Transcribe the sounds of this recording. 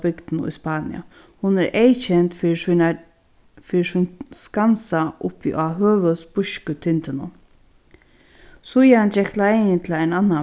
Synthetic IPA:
bɪɡd̪̥nʊ̰jspaːnɪ̰ja̰ | hʊnɛɾʔejt͡ʃʰɛnt̪fi | fiːsʊnskansaʔʊpḭʔaɦøːʋəsb̥ʊʃkət̪ʰɪnt̪ɪnʊ̰ | sʊjand͡ʒɛklajɪnt̪ʰɪlaɪnanːa

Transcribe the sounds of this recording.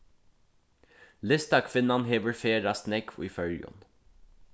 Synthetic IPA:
lɪst̪ɑkʰʋɪnɑnɦeːʋəɾfeːɾɑsnɛkʰḭːfœɭjɔ̰n

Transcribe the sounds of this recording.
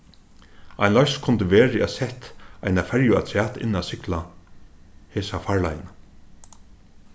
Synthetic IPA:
a̰ɪnlɔskʰʊnt̪əʋeːɾɪæsɛht̪ajnafɛɹjʊa̰t̪ʰɾæːt̪ɪ̰nasɪkla | heːsafaɹla̰jna

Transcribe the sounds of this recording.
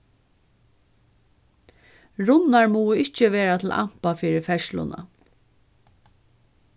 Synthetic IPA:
ɹʊnaɹmuːɪht͡ʃəʋeːɾat̪ʰɪla̰m̥pafiːɹɪfɛʃlʊ̰na̰

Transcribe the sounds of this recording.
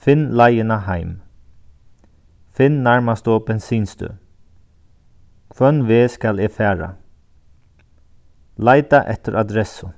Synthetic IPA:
fɪnːlajɪnaɦajm | fɪnːaɹmast̪obɛnsiːnst̪ʏ̰ | kʰvœnʋɪːskalɪfæːɹa̰ | lajt̪aʔɛ̰t̪ɪɾʔad̪ɾɛsʊ

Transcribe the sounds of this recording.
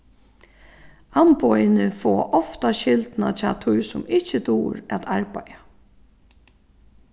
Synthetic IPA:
anpɔjɪnəfɔːʔɔft̪aʃɪlt̪na̰t͡ʃʰa̰t̪ʰʊjsʊmɪht͡ʃət̪uːɾæt̪ʰaɹpaja

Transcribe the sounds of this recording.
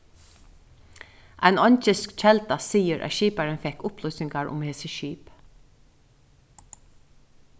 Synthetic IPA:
ʔa̰jnɔɲt͡ʃɪskt͡ʃʰɛlt̪asiːɪɾʔæ̰ðʃiːpaɾɪnfɛhkʊhplɔsɪŋkaɹʊ̰mheːsɪʃiːp

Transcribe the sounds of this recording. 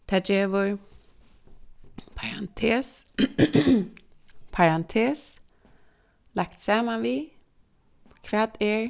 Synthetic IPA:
t̪ʰad͡ʒevoɹ | pʰaɾa̰nt̪ʰeːs | pʰaɾant̪ʰeːs | lakt̪samːanvi | kʰvɛt̪eːɹ

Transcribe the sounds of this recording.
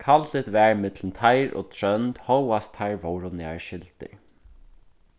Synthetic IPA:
kʰalt̪ɪt̪vɛɹmɪt̪lnt̪ʰajɾɔ̰ːt̪ʰɹœnt̪hɔwast̪haɹvowɾʊnɪa̰ɹʃɪlt̪ɪ̰ɹ

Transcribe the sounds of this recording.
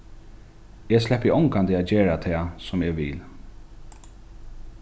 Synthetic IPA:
ɛslɛhpːəɔŋkand̪əad͡ʒeːɹat̪ʰɛːsʊmɛːɡʋɪ̰ːl

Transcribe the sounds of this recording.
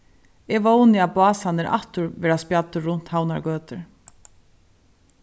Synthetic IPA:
ɛvownɪapʊɑːsanɪɾʔa̰ht̪ʊɹvɛːɾaspjat̪ːʏɾʊn̥t̪hawna̰ɹɡøːt̪ɪɹ

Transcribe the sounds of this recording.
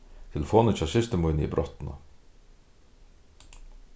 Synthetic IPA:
t̪ʰɪlfoːnət͡ʃɑsɪst̪əmɔʏnəḭbɾʔɔt̪nɑ̰

